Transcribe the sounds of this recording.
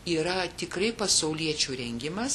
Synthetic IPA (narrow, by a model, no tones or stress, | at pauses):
iːɾɐt̪ʲɪkɾɐɪpɐsɐʊlʲiɛt͡ʃʲuːɾʲɛŋʲɡʲɪmɐs